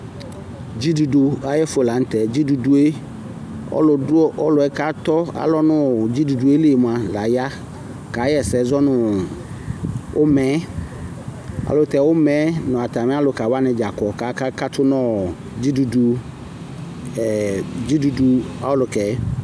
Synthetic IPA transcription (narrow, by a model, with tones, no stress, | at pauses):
d͡ʒi˦du˨du˨a˨jɛ˦fo˨la˨˦n̩˦t̪ɛ˨d͡ʑi˦du˨du˦e˦ | ɔ̰˦lʊ˨dʊ˦ʔɔ˦lʊ˨ɛ˦ka˦t̪ɔ˦a̰˨lɔ˦nʊ̃˦˨d͡ʑi˦du˨du˨e˦le˨m˨a˨la˨ja˦ | ka˨˦jɛ˦˨sɛ˨˦zɔ˦nʊ̃˨ | ʔʊ˦mɛ̃˦ | a̰˨lʊ˦t̪ɛ˨wʊ˦mɛ̃˨˦nʊ̃˨a˨t̪a˨mɪ̃˦a˦lʊ˨ka˨wa˦nɪ̃˨d͡ʒa˨kɔ˨ka˨˦ka˦ka˦tʰʊ˦nɔ̃˦ | d͡ʑi˦du˨du˨ | d͡ʑi˦du˨du˨a˨ʊ˦lʊ˨kɛ˨˦